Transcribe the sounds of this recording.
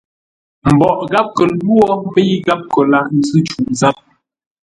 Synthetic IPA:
m̩˨bɔ˨ʔɡa˦p̚kə˨˦lwɔ˦bə˦i˦ɡa˦p̚kə˨la˨n̩˦zʉ˦t͡ʃu˨ʔza˦p̚

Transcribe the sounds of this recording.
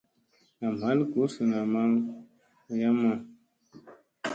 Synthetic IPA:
na˨m̩˨a˨˦lku˨˦su˨na˨ma˦ŋ˨ | ja˦mɔ˨

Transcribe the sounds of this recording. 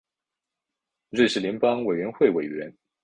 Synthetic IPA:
ɹe˥˧ɪʂɻ̩˥˩ljɛ˧˥npɑ˥ŋwe˨˩ɪɥɛ˧˥nxwe˥˩ɪwe˨˩ɪɥɛ˧˥n

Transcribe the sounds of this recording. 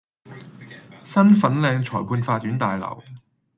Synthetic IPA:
sɐ˥nfɐ˨˥nlɛː˧ŋt͡ʃʰɔː˨˩jpʰuː˧nfaː˧t̚ːyː˨˥nt̪aː˨jlɐ̰˨˩w

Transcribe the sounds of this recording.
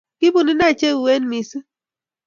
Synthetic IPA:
ki˦bu˨ni˦na˦˨t͡ʃe˦˨we˦nmi˨sɨ˦

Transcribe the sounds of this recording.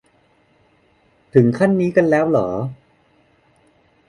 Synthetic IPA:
t̪ʰɯ˩˦ŋkʰa˥˩nːiː˦˥ka˧nlɛː˦˥wlɔː˩˦

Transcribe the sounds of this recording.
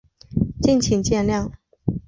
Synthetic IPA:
t͡ɕi˥˩nt͡ɕʰi˨˩ŋt͡ɕjɛ˥˧nljɑ˥˩ŋ

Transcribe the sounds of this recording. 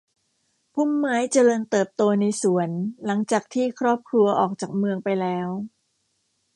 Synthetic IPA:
pʰu˥˩mːaː˦˥jt͡ɕa˧lɤː˧nt̪ɤː˨˩p̚t̪oː˧na˧jsu˩˦ənla˩˦ŋt͡ɕaː˨˩k̚t̪ʰiː˥˩kʰɾɔː˥˩p̚kʰɾu˧ɐʔɔː˨˩k̚t͡ɕaː˨˩k̚mɯ˧əŋpa˧jlɛː˦˥w

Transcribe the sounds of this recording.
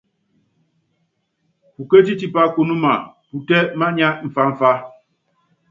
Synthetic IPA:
pu˨ke˦ti˦ti˦pa˦ko˨nu˦ma˨pu˨tɛ˦ma˦ɲa˦ʔm̩˨fa˦m̩˨fa˦

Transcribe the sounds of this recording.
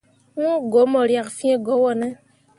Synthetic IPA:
ŋũ˦ɡo˨˦mɔ˨ɾja˨kfi˦ɛ̃˦ɡɔ˨˦wɔ˦˨nɛ˦

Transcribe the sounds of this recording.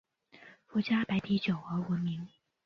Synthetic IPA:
fu˧˥t͡ɕja˥pa˧˥ɪt̪ʰi˧˥t͡ɕjo˨˩ʊə˧˥wə˧˥nmi˧˥ŋ

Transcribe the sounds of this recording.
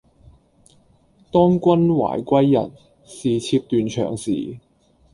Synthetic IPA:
t̪ɔː˥ŋkʷɐ˥nwa̰ː˨˩jkʷɐ˥jːɐ̰˨˩n | siː˨t͡sʰiː˧p̚t̪yː˨nt͡ʃʰœ̰ː˨˩ŋsḭː˨˩

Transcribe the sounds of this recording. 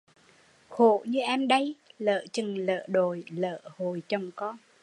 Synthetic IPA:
xo̰˧˨ɲɨ˧ʔɛ˧mɗə˧jlə̰ː˧˨t͡ɕɨ˨˩ŋlə̰ː˧˨ɗo˨˩jlə̰ː˧˨ho˨˩jt͡ɕə˨˩wŋ͡mkɔ˧˥n

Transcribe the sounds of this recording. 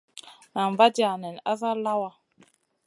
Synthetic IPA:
na˨ɱ˨va˦d͡ʒi˦a˨nɛ˨n˨a˦za˦la˦wa˨

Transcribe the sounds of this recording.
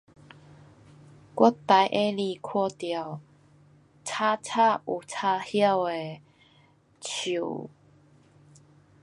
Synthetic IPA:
kwɔ˦t̪a˨˦jʔe˦li˧˨kʰwɔ˥˧t̪ja˨˩ | t͡sʰa˦t͡sʰa˥˧ʔu˨˩t͡sʰa˧hja˥˧˨we˨ | t͡ɕʰu˨˩

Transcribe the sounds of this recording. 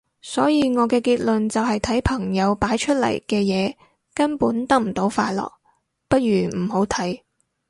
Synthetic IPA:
sɔː˨˥jiː˨˧ŋɔː˨˧kɛː˧kiː˧t̚lɵ˨nt͡sɐ˨wɦɐ˨jt̪ʰɐ˨˥jpʰɐ˨˩ŋjɐ˨˧wpaː˨˥jt͡ʃʰɵ˥t̚lɐ̰˨˩jkɛː˧jɛː˨˧ | kɐ˥npuː˨˥nt̪ɐ˥k̚m̩˨˩t̪o˨˧˥wfaː˧jlɔ̰ː˨k̚ | pɐ˥t̚ɥyː˨˩m̩˨˩ho˨˥wt̪ʰɐ˨˥j

